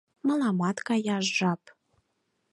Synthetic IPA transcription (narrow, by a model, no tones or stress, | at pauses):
mɑlˠɑmɑt̪kɑjɑʒʒɑp